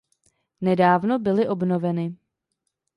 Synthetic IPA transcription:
nɛdaːvnobɪlɪʔo̞bnovɛnɪ

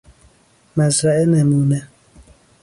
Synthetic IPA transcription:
mazɾaɛnɛmunɛ

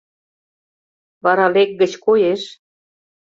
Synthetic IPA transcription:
βɑɾɑlek̚ɡə̆t͡ɕkojeʃ

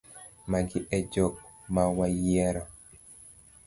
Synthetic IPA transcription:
maɡɪʔɛd͡ʒɔk̚ | mawajɛɾɔ

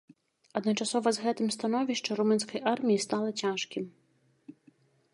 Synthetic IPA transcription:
ɐd̪nɐt͡ʂasɔvɐzɣɛt̪ɨmst̪anɔvʲiʂt͡ʂɐɾumɨns̬kɐjʔarmʲijist̪alˠɐt͡sʲaʂkʲim

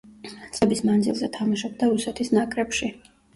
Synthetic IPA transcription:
t̪sʼɛbismand̪zilˠzɛt̪ʰamaʃɔb̚d̪aɾusɛt̪ʰisnakʼɾɛpʃi

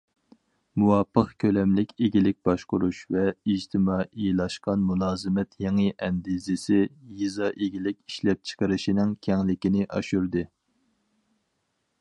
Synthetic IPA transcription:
muwɑpʰːəqkʲʰølɛmlɪkʲeɡʲilɪk̚ʲb̥ɑʃqʊɾuʃvɛid͡ʒt̪ʰɪmɑʔilˠɑʃqɑnmulˠɑːzɨmɛt̪ʰjeŋɨʔɛnd̪izɪsɪjizɑʔeɡʲilɪkʲiʃlɛp̚t͡ʃʰə̥qəɾɨʃinɪŋkʲʰɛŋlɪkʲinɪʔɑ̰ʃuɾd̪ɨ

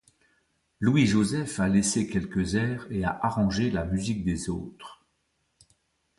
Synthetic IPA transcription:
lwiʒozɛfalesekʲɛlkəzɛːʁea̰ʔaʁɑ̃ʒelamyzik̚d̪ezoːt̪χ

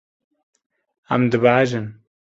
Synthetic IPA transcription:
a̰md̪ɨbaːʒɨn

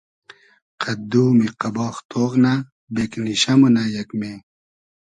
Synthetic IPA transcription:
qʰɐd̪uːmiqɐbɑːxt̪ʰoːʁna | bekniɕɐmunajɐkme

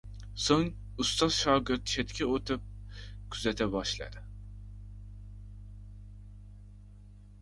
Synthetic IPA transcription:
soŋ | ust̪ʰɑzʃɑːɡɨɾt̪t͡ʃʰɛt̪kʲʰiot̪ʰup̚kʲʰyzɛt̪ʰɛbɑʃlˠɑ̰d̪ɨ

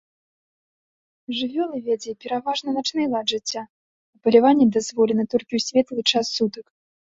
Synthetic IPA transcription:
ʐɨvʲɔlˠɨvʲɛd͡zʲɛpʲɛɾavaʐnɐnat͡ʂnɨjlˠadʐɨt͡sʲːa | ɐpɐlʲavanʲːɛd̪azvɔlʲɛnɐt̪ɔlʲkʲiwsʲvʲɛt̪lˠɨt͡ʂasːut̪ɐk

